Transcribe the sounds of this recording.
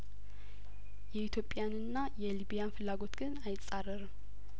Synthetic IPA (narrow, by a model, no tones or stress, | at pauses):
jɛit̪ʰjo̞pʼːjanɨnːajɛliβijanfɨlːaɡo̞t̪ɡɨnajɪsʼarəɾɨm